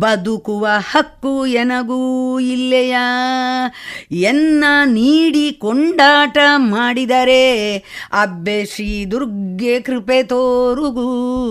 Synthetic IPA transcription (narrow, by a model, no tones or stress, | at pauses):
bɐd̪ukuʋɐhɐkːuɛnɐɡuilːɛjɐ | ɛnːɐniːɽikoɳɖaːʈɐmaːɽid̪ɐɾe | ɐbːeʂɾiːd̪uɾɡːekɾipet̪oːɾuɡu